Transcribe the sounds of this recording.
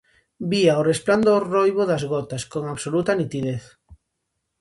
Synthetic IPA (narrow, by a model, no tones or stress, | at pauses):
biaorespland̪orojβoðazɣɔt̪askoŋaβsolut̪ɐnit̪iðeθ